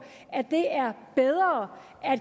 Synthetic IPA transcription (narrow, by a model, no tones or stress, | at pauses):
æd̥e̝æɐb̥eð̞ˠʁɐː | æd̥